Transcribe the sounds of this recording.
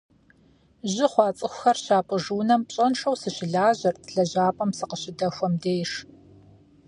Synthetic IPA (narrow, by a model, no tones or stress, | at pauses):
ʑɪχʷɑːt͡sʼɨxʷʊxɐrɕaːpʼɨʐuːnɐmpɕʼɐnʂɐwsɨɕɪɮaːʑɐrtʰɮɐʑaːpʼɐmsɨqəɕɪdɐxʷɔmdeːjʂ